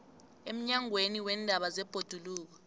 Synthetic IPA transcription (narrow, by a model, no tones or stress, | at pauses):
em̩ɲaŋweniwɛndʱaɓazɛb̥ʱod̥ʱuluːk̬ɔ̥